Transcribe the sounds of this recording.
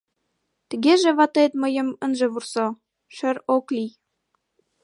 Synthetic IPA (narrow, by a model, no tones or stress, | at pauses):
t̪əɣeʒeβɑt̪et̪məjə̆mənʒĕβurso | ʃə̆ɾoklij